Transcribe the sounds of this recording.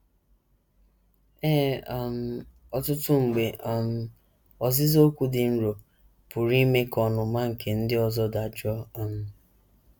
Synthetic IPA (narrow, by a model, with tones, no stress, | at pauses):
ɛ˦a˨m̩˦˨ | ɔ˨tʊ˦tʊ˦ŋ͡m̩˨ɡ͡be˨ʔa˨m̩˦ | ɔ˨zɪ˦zo˦kʷu˨dɪ˨n̩˦ɾo˨ | pʊ˨ɾi˦me˦kɔ˨nʊ˨ma˦ŋ̩˨kʰe˨n̩˦dɪ˦ɔ˦zɔ˦da˨d͡ʒɔ˦a˨m̩˦